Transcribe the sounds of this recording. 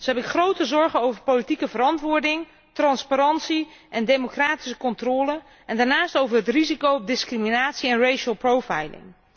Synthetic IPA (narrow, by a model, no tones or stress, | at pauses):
zoɦɛbɪkχrowtəzɔɹχəowvəɹpowlitikəvəɾɑntʋʊːɹdɪŋ | trɑnspaɾɑntsiʔɛndejmokraːti̥s̬əkɔntrɔːlə | ɛndaːɹnaːstowvəɹɦətrizikowɔb̚dɪskriminaːtsiɛnrejʃəlˠprowfajlɪ̰ŋ